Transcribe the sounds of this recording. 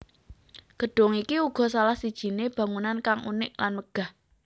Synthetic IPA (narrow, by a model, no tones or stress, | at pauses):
ɡ̥ə̤ɖ̥ɔ̤ŋikiuɡ̥ɔ̤salahsid̥ʒ̥i̤neb̥ä̤ŋunankaŋṵnɪʔlanməɡ̥a̤h